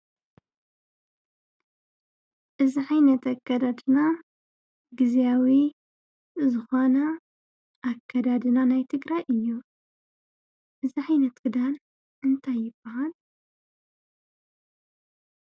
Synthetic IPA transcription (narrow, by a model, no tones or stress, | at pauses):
ʔɨziħajnɐt̪akːɐd̪ad̪ɨna | ɡɨzjawi | zɨxo̞nɐ | ʔːkʰːɐd̪ad̪ɨnanajt̪ʰɨɡɾajʔɨjːu | ʔɨziħajnɐt̪ɡɨd̪an | ʔɨnt̪ʰajːɪb̥ːɐhal